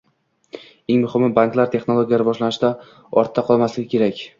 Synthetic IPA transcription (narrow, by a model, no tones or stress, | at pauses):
eŋmʊhɪmːɪbaŋklaɾt̪ʰe̞χnolˠoɡʲijaɾɪbɒʃlanɪʃd̪a | ɒɾt̪ʰːaqʰɒlˠmaslɪɡʲɪkʰʲeɾakʲ